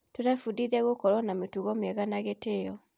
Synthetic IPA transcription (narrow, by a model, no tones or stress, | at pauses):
totafudizaɣokɔɾɔnametuɣɔmiɛɣanaɣetejɔ